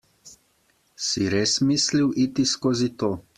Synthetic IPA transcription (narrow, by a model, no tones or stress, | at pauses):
siɾeːsmisliwʔit̪iskoːzit̪oː